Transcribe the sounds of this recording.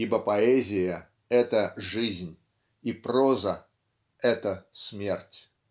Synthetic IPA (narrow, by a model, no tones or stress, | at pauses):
ibəpɐɛzʲɪjə | ɛt̪əʐɨzʲnʲ | iprozə | ɛt̪əsmʲertʲ